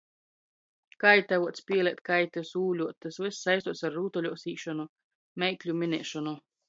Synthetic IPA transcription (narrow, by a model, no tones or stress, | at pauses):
kajt̪avuɔt̪spʲiɛlʲɛt̪̚kajt̪ɛsuːlʲuɔt̪ɛsvɨsːajst̪uɔt̪saɾːuːt̪ɔlʲuɔsiːʃɔnu | mɛjklʲumʲinʲɛːʃɔnu